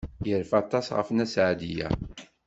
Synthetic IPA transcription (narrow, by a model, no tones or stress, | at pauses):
jəɾfɑt̪ˤːɑsʁə̰fnæsʕad̪ijæ̰